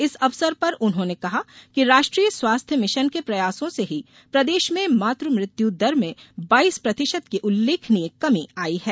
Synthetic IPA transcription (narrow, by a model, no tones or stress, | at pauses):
ɪsɐʋsəɾpɐɾʊnɦõnekɐɦakiɾaːʃʈɾiːjəswaːst̪ʰjəmɪʃənkepɾɐjaːsõseɦi | pɾɐd̪eːʃmẽmaːt̪ɾəmɾɪt̪jud̪ɐɾmẽbaːiːspɾɐt̪ɪʃəd̪kiʔʊlːeːkʰniekɐmiaːiɦɛː